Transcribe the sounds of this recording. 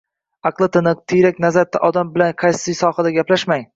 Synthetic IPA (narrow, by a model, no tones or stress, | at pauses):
ɑqlˠɪt̪ʰɪnɨq̚t̪ʰejɾakʲnazaɾt̪ʰːaʔɒd̪ambɪlanqʰɑjsijsɒːhad̪aɡʲaplaʃmaŋ